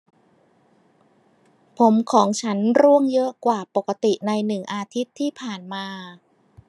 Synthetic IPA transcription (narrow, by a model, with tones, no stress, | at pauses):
pʰo˩˦mkʰɔː˩˦ŋt͡ɕʰa˦˥nɾu˥˩əŋjɤ˦˥ʔkwaː˨˩po˨˩kːa˧t̪i˨˩na˧jnɯ˨˩ŋʔaː˧t̪ʰi˦˥t̪ʰːiː˥˩pʰaː˨˩nmaː˧